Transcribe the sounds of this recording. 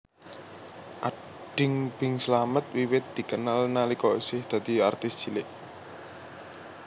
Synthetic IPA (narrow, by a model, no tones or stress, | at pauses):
ʔa | ɖ̥ɪŋb̥ɪŋsəlamət̪̚wiwɪt̪̚d̪̥i̤kənalnalikɔsɪhd̪̥a̤d̪̥i̤art̪ɪsʒ̥i̤lɪʔ